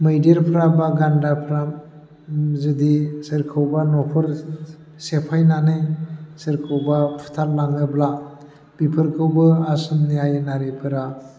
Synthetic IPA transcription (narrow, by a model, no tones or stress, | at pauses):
mɯjdɾpʰɾabaɡandapʰɾam | zɯdisɯɾkʰɯwbanɔpʰɯɾ | sepʰajnanɯjsɯɾkʰɯwbapʰu̥tʰaɾlaŋɯbla | b̥ipʰɯɾkʰɯwbɯasɯmniajɯnaɾipʰɯɾa